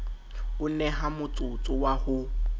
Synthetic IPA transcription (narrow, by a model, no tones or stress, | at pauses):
ʊnɛɦamʊt͡sʼʊt͡sʼʊwahʊ